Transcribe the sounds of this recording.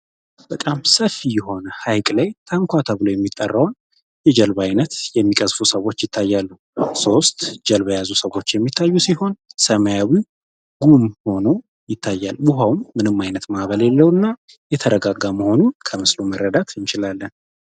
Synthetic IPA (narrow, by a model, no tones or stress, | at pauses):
bb̥ət̪ʼamsəfːijɛɦo̞nəhajkʼlajt̪ʰaŋkʷat̪ʰaβɨlojɛmːit̪ʼːərːəwn | jɛd͡ʒɛlβajnət̪jɛmːikʼəzfusəwːo̞t͡ʃːjɪt̪ʰːajːalːu | so̞st̪d͡ʒɛlβəjazusəwo̞t͡ʃːjɛmːit̪ʰːajːusiho̞nsəməjawi | ɡ̥umho̞no | jɪt̪ʰːajːalːubuɦawmːɨnɨmːajnət̪maʔβəljɛlːəwɨnːa | jɛt̪ʰəɾəɡaɡaməho̞nunkʰəmɨslumərːəd̪at̪ɨnt͡ʃɪlalːən